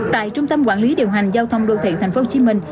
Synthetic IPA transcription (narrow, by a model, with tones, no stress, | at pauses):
t̪a̰ː˧˨jt͡ɕʊ˧ŋ͡mt̪ə˧mkwaː˧˩nli˨˦ɗi˨˩əwɦa˨˩jŋ̟zaː˧wt̪ʰə˧wŋ͡mɗo̰˧˨t̪ʰḛ˧˩t̪ʰɛ˨˩jŋ̟fo˨˦˧t͡ɕi˨˦mï˧ŋ̟